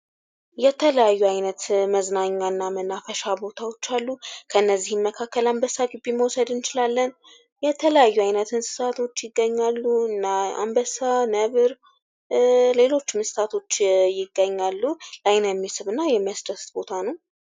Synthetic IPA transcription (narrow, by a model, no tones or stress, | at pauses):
jɛt̪ʰələjajːuajnət̪məznaɲːaɨnːamənafəʃabo̞t̪ʰawo̞t͡ʃːalːukʰəɨnːəzːihɨmːəkʰakːəlambəsaɡɨbiməwsəd̪ɨnt͡ʃɪlalːən | jɛt̪ʰələjajːuajnət̪ɨnsɨ̥t̪at̪ʰo̞t͡ʃːjɪɡːəɲːalːuɨnːaa̰mbəsanəβɨɾ | le̞lo̞t͡ʃːɪmsɨ̥t̪ʰat̪ʰo̞t͡ʃːjɪɡːəɲːalːulajnjɛmːisɨβɨnːajɛmːijasd̪əst̪bo̞t̪ʰanəw